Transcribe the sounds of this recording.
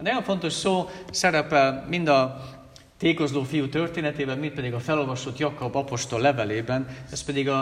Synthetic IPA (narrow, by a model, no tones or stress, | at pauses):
ɛnɒjo̞ɱfo̞nt̪o̞ʃsoːsɛɾɛpɛlmind̪ɒ | t̪eːko̞zloːfijut̪ørt̪eːnɛt̪eːbɛnmint̪̚pɛd̪iɡɒfɛlo̞lvɒʃot̪jɒkɒbɒpo̞ʃt̪o̞lːɛvɛleːbɛnɛspɛd̪iɡɒ